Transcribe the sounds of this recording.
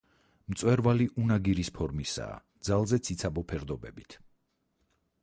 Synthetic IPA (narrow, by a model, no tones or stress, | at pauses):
mt̪sʼwɛɾvaliʔunaɡiɾispʰɔɾmisa̰ːd̪zalˠzɛt̪sʰit̪sʰabɔpʰɛɾd̪ɔbɛbit̪ʰ